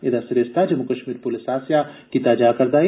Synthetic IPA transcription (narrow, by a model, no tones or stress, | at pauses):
ed̪asɪɾeːst̪ad͡ʒɐmukɐʃmiːɾpʊlɪsaːsjakit̪aːd͡ʒaːkɐɾd̪aːi